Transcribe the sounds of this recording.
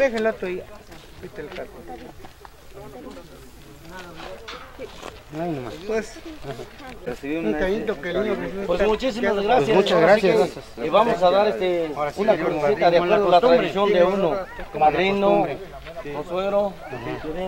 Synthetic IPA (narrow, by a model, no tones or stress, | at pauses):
bexelat̪oja | it̪elkat̪ | pwes | resiβiuaint̪okeliɲokspoɾkemut͡ʃis̬imazɣɾasjaaaɾsieβamos̬aðaɾest̪eunakosit̪aðjakweɾðolat̪ɾaðisjond̪eunomaðɾino | osweɣɾo